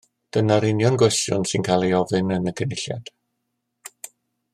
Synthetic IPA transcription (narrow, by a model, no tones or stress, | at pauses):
d̥ənaɾɪnjɔnɡwɛstjʊ̰nsɨnkʰaːlˠejɔvɨnənəkʰənɪɬja̰d̥